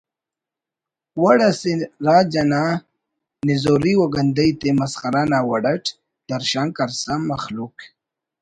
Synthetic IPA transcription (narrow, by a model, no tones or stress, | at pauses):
waɽaseɾaːd͡ʒana | nɪzoɾiwoɡand̪əjt̪emasχaɾanawaɽaʈ | d̪̥aɾʃaːŋkaɾsamːaxluk